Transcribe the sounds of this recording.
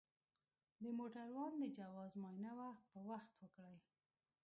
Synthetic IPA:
d̪əmoʈaɾwɑnd̪əd͡ʒawɑzmɑjnawapəwaxt̪wəkɽəj

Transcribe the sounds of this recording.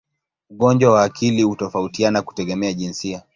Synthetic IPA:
uɠɔnd͡ʒwawaːkʰilihutɔfautianaku̥tɛɠɛmɛaʄinsia

